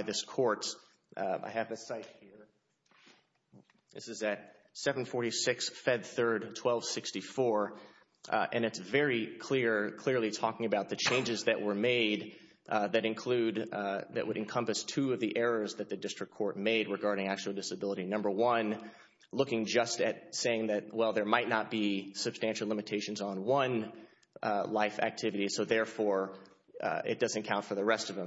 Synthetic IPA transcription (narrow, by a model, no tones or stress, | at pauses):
ɪðɪskʰɔɹt | a̰ɪɨvðɨsaɪt̚hiɹ | ðɪ̰sɨzɨt̚ | sɛṽn̩fɔɹɾisɪksfɛd̪̚θɜ˞d̚tʰw̥ɛlˠv̥sɪkstifɔɹ | ʔɨ̃nɨtsvɛɹikʰl̥ɪɹkʰl̥ɪɹlˠitʰɔkɪ̃ŋɨbaʊt̪̚ðɨt͡ʃʰẽɪ̃nd͡ʒɨzðɨʔwə˞meɪd̪̚ | ðɨɾɨ̃nkʰl̥ʉd̪ðɨ̰ʔ̚wʔəɾɨ̃nkʰʌ̃mpɨstʰʉʌvðiʔɛɹə˞zðɨt̪̚ðɨdɪstɹ̥ɨkʰːɔɹt̚meɪd̚ɹɨɡɑɹɾɪ̃ŋæk̚t͡ʃul̩ˠdɪsɨbɪlˠəɾinʌ̃mbə˞wʌ̃n | lʊkɪ̃ŋd͡ʒʌstɨt̚seɪɪ̃ŋðɨt̚wɛlˠðə˞maɪtⁿnət̚b̥isɨb̥stæ̃nʃl̩ˠlɪ̃mɨtʰeɪʃɨ̃n̩zn̩wʌ̃n | laɪfæ̰k̚tʰɪvɨɾisoʊðɛɹfɔɹ | ɪ̰t̚d̥ʌzɨ̃nkʰãʊ̃ntfə˞ðəɹɛstʌvə̃m